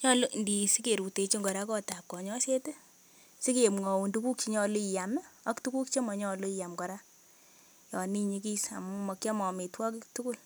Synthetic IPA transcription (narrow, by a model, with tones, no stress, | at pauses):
ɲɔ˦lo˦ndi˨si˦ke˨ɾu˨te˨t͡ʃi˦ŋɡɔ˨ɾa˦kɔ˦ta˨p̚kɔ˨ɲɔ˦se˦te˦ | si˦ke˨mŋɔ˨wu˨ndu˨˦ku˦kt͡ʃi˦ɲɔ˦lo˦i˨ja˨m˦a˦ktu˦ku˦kt͡ʃe˦mɔ˨ɲɔ˦˨lo˦i˨ja˨mkɔ˨ɾa˦ | jɔ˨ni˦ɲi˦ki˦sa̰˨mu˦mɔ˨kja˦mɔ˨me˨twɔ˦k̬ɪ˦ktu˦ku˦l